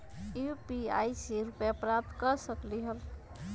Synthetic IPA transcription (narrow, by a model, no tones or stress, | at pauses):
jupiajseɾupjapɾap̚t̪kəɾsəkliɦəl